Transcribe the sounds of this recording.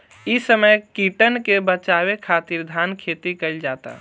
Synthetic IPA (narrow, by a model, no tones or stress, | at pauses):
isəməjkiːʈənkebət͡ʃaːwekʰaːt̪iɾd̪ʱaːnkʰeːt̪ikəid͡ʒaːt̪a̰